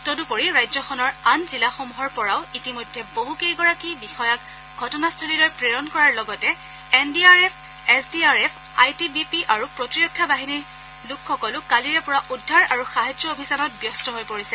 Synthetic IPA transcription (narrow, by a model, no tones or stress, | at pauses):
todupoɹiɹajzɔxʰɔnɔɹanzilaxomuɦɔɹpɔɹaʊitimojdʱːɛboɦukejɡɔɹakibixɔjak | ɡʱɔtɔnastʰɔlilojpɹeɹɔnkɔɹaɹlɔɡɔtɛ | ɛndiaɹɛpʰ | ɛsdiaɹɛpʰ | ajtibipiʔaɹupɹɔtiɹɔkʰːjabaɦiniɹ | lukʰxɔkɔlʊkaliɹɛpɔɹaʔudʱːaɹaɹuxaɦazɔobʱisanɔt̚bjɔstɔɦojpoɹisɛ